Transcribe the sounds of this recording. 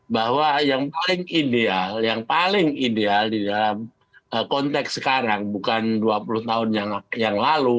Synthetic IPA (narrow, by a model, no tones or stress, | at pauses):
bahwajaŋpalɪŋidealjaŋpalɪŋidealdidalam | əkɔnt̪ɛksəkaɾaŋbukanduapulʊht̪aʊnjaŋjaŋlalu